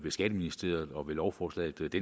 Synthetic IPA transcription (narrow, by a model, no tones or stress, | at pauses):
b̥le̝sɡ̥æd̥əminisd̥ʁe̝̰ːɐð̩ˠɒ̽ʋe̝lɒʊfɒːslɛ̰d̥d̥e